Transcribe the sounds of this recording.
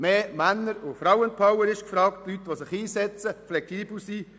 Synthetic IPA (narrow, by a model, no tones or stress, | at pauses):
meːmænːəɾʊfɾawənpɑwəɾɪʃkfɾɑːktlyt̪ʋosɪχiːsɛt͡səflɛksiːbl̩siː